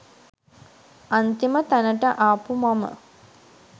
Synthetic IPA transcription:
ɐnt̪imət̪anəʈəʔaːpumɐmə̰

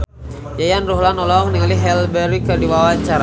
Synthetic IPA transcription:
jajanruɦlanɔlɔŋniŋaliɦɛlbɛɾikədiwawat͡ʃaɾa

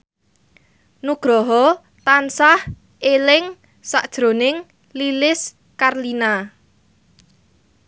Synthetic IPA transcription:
nuɡ̥ɾɔɦɔ | t̪ansah | elɪŋ | saʔd̥ʒ̥ɾo̤nɪŋ | lilɪs | karlina

